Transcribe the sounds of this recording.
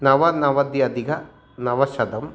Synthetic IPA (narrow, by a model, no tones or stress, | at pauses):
nɐʋɐnɐʋɐd̪jɐd̪iɡɐ | nɐʋɐʃɐd̪ɐm